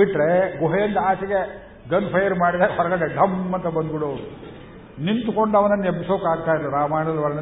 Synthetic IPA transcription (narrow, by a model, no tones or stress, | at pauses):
iʈːɾeɡoɦejɐnd̪ɐaːsiɡe | ɡɐnpʰɐjɐɾmaːɽid̪ɐɾeɦɔɾɐɡɐɽeɖʱɐmːɐnt̪ɐbɐnd̪biɽoːu | nint̪uko̞ɳɖɐʋɐnɐnːebisoːkaːɡ̚t̪aːjilːɐɾaːmaːɳɐɐlɐʋɐɭɐnɐ